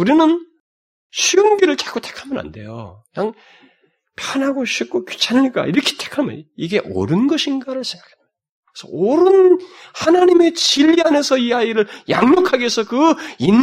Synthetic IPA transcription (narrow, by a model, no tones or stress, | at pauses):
uɾinɯn | ɕʰiunɡiɾɯɭt͡ɕḁk͈utʰe̥kʰamʌna̰nde̞̰jo̰jaŋ | pʰjanɦaɡoɕʰik͈oku̥t͡ɕʰanaɲik͈a̰iɾʌkʰe̥tʰe̥kʰamʌ̰niɡe̞ʔʌ̰ɾɯnɡʌɕʰinɡaɾɯɭsʰeŋɡakʰan | kkesʰʌ̰oɾɯnhanaɲime̞t͡ɕiʎːiane̞sʰʌiaiɾɯɭja̰ŋɲokʰaɡesʰʌkɯin